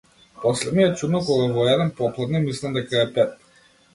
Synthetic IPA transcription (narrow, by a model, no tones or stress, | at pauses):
pɔslɛmiɛt͡ʃud̪nɔkɔɡavɔɛd̪ɛnpɔplˠad̪nɛmislʲˠamd̪ɛkaɛpɛt̪̚